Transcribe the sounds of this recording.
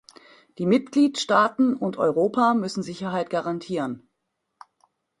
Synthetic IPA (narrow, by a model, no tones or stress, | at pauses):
d̥iːmɪt̚ɡ̥liːtʃtaːtn̩ʊntʔɔ̰ʏʁoːpʰamʏsn̩zɪçɐɦaɪtɡ̥aʁantʰiːʁən